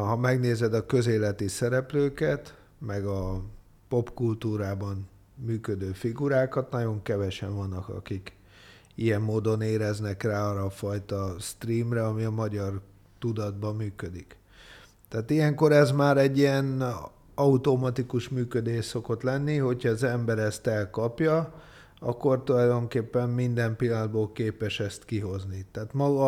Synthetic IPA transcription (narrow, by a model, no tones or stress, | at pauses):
ɦɒmɛɡneːzɛd̪ɒkø̞zeːlɛt̪isɛɾɛpløːkɛt̪ | mɛɡɒ | po̞pkult̪uːɾaːbɒn | myːkød̪øːfiɡuɾaːkɒt̪nɒɟo̞ŋkɛvɛʃɛɱvɒnːɒkɒ̰kik | ijɛmːoːd̪o̞neːɾɛznɛkraːɒrɒːfɒjt̪ɒst̪riːmrɛɒmiɒmɒɟɒr | t̪ud̪ɒd̪bɒmyːkød̪ik | t̪aːt̪ijɛŋko̞ɾɛzmaːɾɛɟːiɛn | ɒut̪o̞mɒt̪ikuʃmyːkød̪eːʃso̞ko̞t̪lɛnːiɦo̞cʰhɒːzɛmbɛɾɛst̪ɛlkɒpjɒ | ɒ̰kːo̞rt̪ulɒjd̪o̞ŋkeːpːɛmːind̪ɛmpilːɒnd̪boːlkeːpɛʃɛst̪kiɦo̞znit̪aːt̪mɒɡɒ